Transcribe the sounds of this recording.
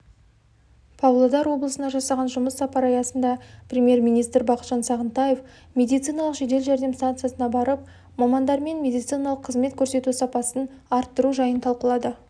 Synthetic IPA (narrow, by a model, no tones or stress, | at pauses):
pʰɑvlˠod̪ɑɾwo̞blˠəsənɑʒɑsɑʁɑnʒʊməsːɑpɑɾɑjɑsənd̪ɑprʲemʲje̞ɾmʲijnijst̪ɾbɑqət̪ʒ̥ɑnsɑʁənt̪ɑje̞f | mʲe̞d̪ijt̪sɨjnɑlˠəqʒe̞d̪e̞lʒæɾd̪e̞mst̪ant̪sɨjasənɑbɑɾəp̚ | mɑmɑnd̪ɑɾme̞nmʲe̞d̪ijt̪sɨjnɑlˠəqʰːəzme̞t̪kʲʰɵɾse̞t̪usɑpɑsən | ɑɾt̪ːəɾuʒɑjənt̪ʰɑlˠqəlˠɑd̪ə